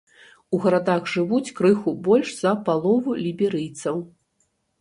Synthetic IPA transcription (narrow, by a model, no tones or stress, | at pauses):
uɣɐɾad̪aɣʐɨvut͡sʲkɾɨxubɔlʲʂz̥ɐpalˠɔvulʲibʲɛɾɨjt̪sɐw